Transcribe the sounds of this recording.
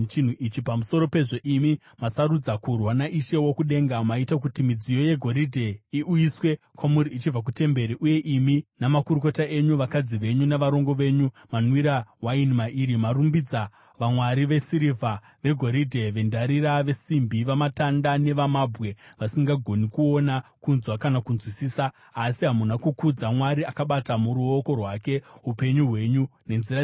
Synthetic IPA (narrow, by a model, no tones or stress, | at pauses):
t͡ʃin̤uʔit͡ʃipamuso̞ɾo̞pe̞ʐe̞ʔimi | masaɾud͡zakurwanaʔiʃe̞wo̞kuɗe̞ːŋɡamaitak̬utimid͡zijo̞je̞ɡʱo̞ɾidʱe̞iʔujiswe̞kwamuɾiit͡ʃivʱak̬ute̞mbe̞ɾiʔuje̞ʔiminamakuɾuko̞taʔe̞ɲuʋakad͡ziʋe̞ɲuneʋaɾo̞ŋɡo̞ʋe̞ɲu | manwiɾaɦwainimaʔiɾimaɾumbid͡za | ʋamwaɾiʋe̞siɾivʱa | ʋe̞ɡʱo̞ɾidʱe̞ʋe̞ndaɾiɾaʋe̞simbiʋamatandane̞ʋamabʱwe̞ʋasiŋɡaɡʱo̞nikuo̞nakunzwakanakunzwisiːsaː | siɦamunakukud͡zamwaɾiakaɓatamuɾuoko̞rwake̞ɦupe̞ɲuɦwe̞ɲune̞nziɾa